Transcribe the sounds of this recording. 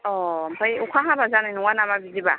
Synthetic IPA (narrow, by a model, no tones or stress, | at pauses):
ɔmbajukʰaɦabazaninuwanamabidiba